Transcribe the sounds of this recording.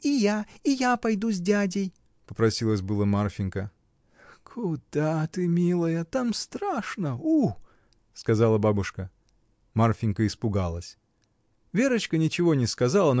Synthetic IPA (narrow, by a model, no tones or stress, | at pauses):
ɪjaɪjapɐjd̪uzʲdʲadʲɪj | pəpɾɐsʲilˠəsʲbɨlˠəmarfʲɪnʲkə | kʰʊd̪̥at̪ɨmʲilˠəjət̪amst̪ɾaʂnəu | skɐzɑlˠəbabʊʂkə | marfʲɪnkəɪspʊɡalˠəsʲ | vʲe̞ɾət͡ɕkənʲɪt͡ɕɪvo̞nʲɪskɐzalˠən